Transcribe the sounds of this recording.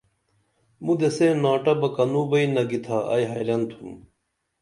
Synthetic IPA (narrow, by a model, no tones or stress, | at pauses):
mud̪eseːnaːʈɐbɐkɐnuːbɐinɐɡit̪ʰaːɐ̰jɦɐjɾɐnt̪ʰum